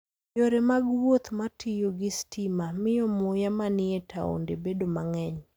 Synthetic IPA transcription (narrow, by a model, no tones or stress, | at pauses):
joɾɛmaɡwot̪matʰɪjoɡɪstimamɪjɔmojamanɪetʰa̰o̰ndebedomaŋɛɲ